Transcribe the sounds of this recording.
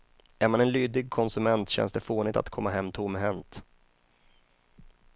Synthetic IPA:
æɾmanɛnlyːd̪ɪɡ̚kʰɔnsɵmɛnt̪ɕɛ̰nsd̪ɛfoːnɪt̪a̰t̪kʰɔmːaɦɛmːt̪ʰʊmːɦɛnt̪

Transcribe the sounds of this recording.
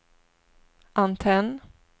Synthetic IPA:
ʔant̪ʰɛn

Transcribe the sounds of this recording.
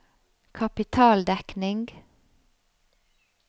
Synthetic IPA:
kʰɑpɪt̪ʰɑːld̪ɛknɪŋɡ

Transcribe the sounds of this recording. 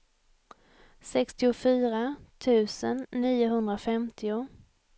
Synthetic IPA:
sɛkst̪ɪʊfyːɾat̪ʰʉ̟ːsə̰nːiːʊɦɵnd̪ɾafɛmt̪ʰɪʊ

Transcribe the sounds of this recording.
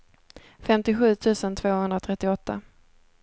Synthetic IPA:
fɛmt̪ɪɧʉ̟ːt̪ʰʉ̟ːsənt̪ʰvoːhɵnd̪ɾat̪ʰɾɛt̪ːɪɔt̪ːa̰

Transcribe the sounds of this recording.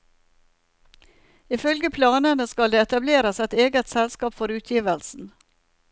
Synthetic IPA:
ɪfœlɡəpʰlɑːnənəskɑld̪eːɛt̪ɑbleːɾəsɛt̪eːɡət̪sɛlskɑːpfɔɾʉːt̪ʰjiːʋəlsn̩

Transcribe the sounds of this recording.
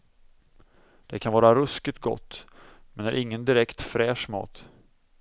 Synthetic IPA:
d̪̥ɛkʰanvɑːɾaɾɵskɪt̪ɡɔ̰t̪ːmɛnæɾʔɪŋːənd̪ɪɾɛkt̪fɾɛːʂmɑ̰ːt̪

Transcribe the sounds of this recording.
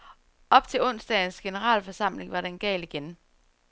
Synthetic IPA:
ɒ̽b̥t͡sʰe̝lɔ̽n̰sd̥ɛn̩sɡ̥e̝nəʁɑ̰̈ːlfɒsɑ̈m̰le̝ŋʋɑ̈ɾenɡ̥ɛ̰ːliɡ̥en

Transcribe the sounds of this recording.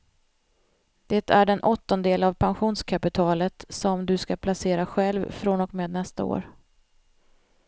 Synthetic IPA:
d̪̥et̪ʰæɖɛnʔɔt̪ːɔnd̪eːlavpʰanɧuːnskʰapɪt̪ʰɑːlət̪sɔmd̪ɵskapʰlaseːɾaɧɛlvfɾoːnɔkmeːd̪nɛst̪a̰o̰ːɾ

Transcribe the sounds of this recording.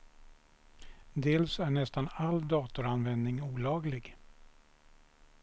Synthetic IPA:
d̪eːlsæɳɛst̪anald̪ɑːt̪ʊɾanvɛnd̪nɪŋuːlɑːɡlɪɡ

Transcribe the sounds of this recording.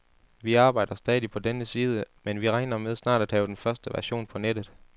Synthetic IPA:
ʋiɑ̈ːb̥ɑ̈ɪ̰d̥ɐsd̥ɛːðˠipʰɒ̽d̥enəsiːð̞ˠəmenʋiʁɑ̈ɪnɐmeð̞ˠsnɑ̰̈ːd̥æd̥hɛ̰ːʊd̥enfɶɐsd̥əʋæɐɕo̝̰ːnpʰɒ̽ned̥ð̞̩ˠ

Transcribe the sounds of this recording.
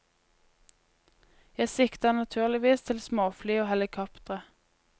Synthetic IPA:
jæɪsɪkt̪ɑnɑt̪ʰʉːʁlɪʋiːst̪ʰɪlsmoːflyːoːhɛlɪkʰɔpt̪ʁə

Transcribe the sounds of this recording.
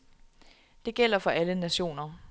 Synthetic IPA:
d̥e̝ɡ̥el̰ɐfɒ̽ʔælənæɕo̝̰ːnɐ

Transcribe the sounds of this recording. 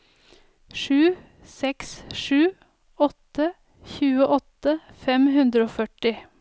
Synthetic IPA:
ʂʉː | sɛksʂʉː | ɔt̪ə | çʉːəʔɔt̪əfɛmɦʉnd̪ɾəoːfœʈɪ

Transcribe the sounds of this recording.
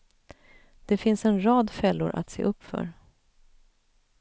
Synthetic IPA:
d̪̥ɛfɪnsɛnɾɑːd̪fɛlːʊɾʔa̰t̪seːʔɵpːfœ̰ɾ

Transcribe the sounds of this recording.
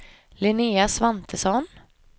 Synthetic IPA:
lɪniːasvant̪ʰəsɔn

